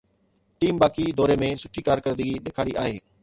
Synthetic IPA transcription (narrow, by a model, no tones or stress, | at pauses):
ʈiːmbaːkid̪ɔːɾemẽsʊʈʰikaːɾkəɾd̪iiɗ̪eːkʰaːɽiʔaːɦeː